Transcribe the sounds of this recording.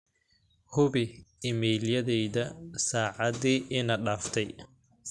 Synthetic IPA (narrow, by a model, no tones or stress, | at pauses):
hʊβɪɪmɛjljɐðɛjðɐsaːʕɑðiːʔɪnɐɖaːft̪ʰɛj